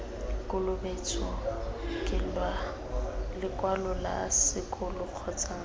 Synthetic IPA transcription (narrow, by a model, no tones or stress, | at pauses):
kʼʊlʊbet͡sʰʼɔkʼɪlwa | lɪkʼwalʊla̰sɪkʼʊlʊq͡χʰɔt͡sʼaŋ